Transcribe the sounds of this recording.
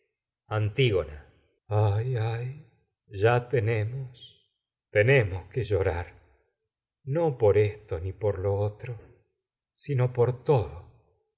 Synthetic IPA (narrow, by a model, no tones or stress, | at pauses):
ant̪iɣona | ajaj | ʒat̪enemos | t̪ene̞moskeʒo̞ɾaɾ | nopo̞ɾest̪onipoɾloot̪ɾo | sino̞poɾt̪oðo